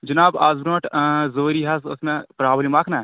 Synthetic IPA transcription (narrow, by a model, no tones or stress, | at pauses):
d͡ʒɐnaːbaːzbɾoʈzoːɾiːɦɐzʊsmẽpɾaːblimaːkʰnɐ